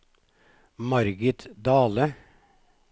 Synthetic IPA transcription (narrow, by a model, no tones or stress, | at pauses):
mɑɾɡɪt̪d̪ɑːlə